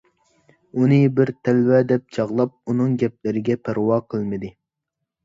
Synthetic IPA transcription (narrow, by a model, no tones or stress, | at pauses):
unɨbɪɾt̪ʰælwɛd̪ɛp̚t͡ʃʰɑʁlˠɑp̚unɨŋɡʲɛp̚lɪɾɪɡʲɛpʰæɾwɑːqʰəlˠmɨd̪ɨ